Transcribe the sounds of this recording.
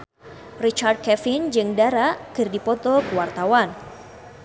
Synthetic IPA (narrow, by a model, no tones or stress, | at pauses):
rit͡ʃard̚kɛfind͡ʒɨŋdaɾaʔkɨrdipɔt̪ɔkuwart̪awan